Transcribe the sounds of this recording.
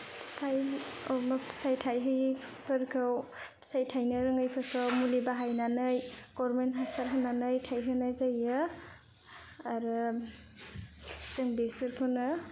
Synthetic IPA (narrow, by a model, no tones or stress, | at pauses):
stʰajomḁstʰajtʰajɦɯjpʰɯɾkʰawstʰajtʰajnɐɾɯŋajpʰɯɾkʰawmulibaɦajnanɯjɡ̥ɔɾmenɦasaɾɦanːanɯjtʰajɦɯnajzajɯ | ɾɯ | zɯŋbesɯɾpʰɯnɯ